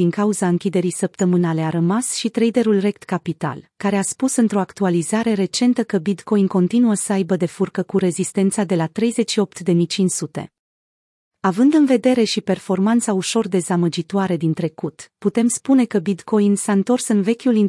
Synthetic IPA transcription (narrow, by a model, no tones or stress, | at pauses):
iŋkauzaɨŋkʲid̪e̞ɾijsəp̚t̪əmɨnale̞aɾəmasʃit̪ɾejd̪e̞ɾulre̞k̚t̪kapit̪a̰lkaɾe̞aspusɨnt̪ɾo̞akt̪ualizaɾe̞ɾe̞t͡ʃe̞nt̪əkəbidt̪ko̞jnko̞nt̪inuəsəajbəd̪e̞furkəkuɾe̞zist̪e̞nt̪sad̪e̞lat̪ɾe̞jze̞t͡ʃʃio̞p̚t̪d̪e̞mijt͡ʃint͡ʃsut̪e̞̰ | avɨnd̪ɨnve̞d̪e̞ɾe̞ʃipe̞rfo̞rmant̪sauʃo̞rd̪e̞zaməd͡ʒit̪oaɾe̞d̪int̪ɾe̞kut̪put̪e̞mspune̞kəbid̪ko̞jnsaɨnt̪o̞rsɨnve̞kʲulin